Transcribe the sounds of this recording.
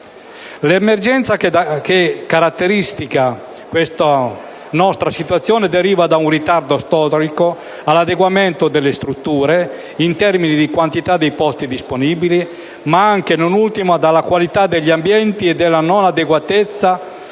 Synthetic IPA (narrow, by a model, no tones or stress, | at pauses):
lemerd͡ʒɛnt̪saakekːaɾat̪ːeɾist̪ika | kwest̪a | nɔst̪ɾasit̪wat̪sːjɔːned̪eɾiːvad̪aunrit̪ard̪ost̪ɔːɾiko | alad̪eɡwament̪od̪elːest̪ɾut̪ːuːɾe | int̪ɛrminid̪ikwant̪it̪ad̪ːejpɔst̪id̪isponiːbili | maaŋkenonult̪imad̪alːakwalit̪ad̪ːeʎːiambjɛnt̪ied̪ːelːanonad̪eɡwat̪et̪sːa